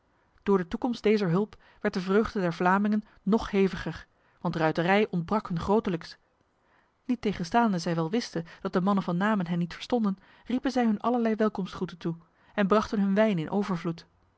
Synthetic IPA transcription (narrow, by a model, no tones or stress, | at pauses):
d̥ʊːɹdətukɔmst̚d̥ejzəɹɦɵlˠp | ʋɛɹt̚dəvrøːχdədɛɹvlaːmɪŋənːɔχhejvəχəɹ | ʋɑntrœɥtərɛjɔndbrɑkhɵnχrowtələks | nitːejχənstaːndəzɛjʋɛlˠʋɪstənd̥ɑt̚dəmɑnənvɑnːaːmənɦɛnːitfə̥ɹstɔndən | ripənzɛjɦɵnʔɑləɹlɛjʋɛlˠkɔmstχutəntu | ɛnbrɑχtənɦɵnʋɛjnɪnʔowvəɹvlut